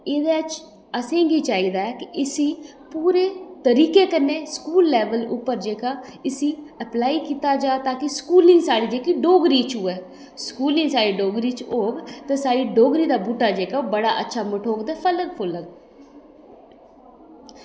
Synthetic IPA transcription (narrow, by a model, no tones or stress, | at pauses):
eːd̪eːət͡ʃ | əsẽːɡiːt͡ʃaːiːd̪aːɛːkɪɪsĩː | puːɾeːt̪əɾiːkeːkənːeːskuːlːɛːʋəlʊ̰pːəɾd͡ʒeːkaːɪsiːəplaːiːkiːt̪aːd͡ʒaːt̪aːkɪskuːlɪŋɡsaːɽiːd͡ʒeːkiːɖoːɡɾiːt͡ʃuːɛː | skuːlɪ̃ŋsaːɽiːɖoːɡɾiːt͡ʃoːɡt̪eːsaːɽiːɖoːɡɾiːd̪aːbuːʈːaːd͡ʒeːkabəɽaːʔətːʃʰaːməʈʰoːɡd̪eːpʰələɡpʰʊləɡ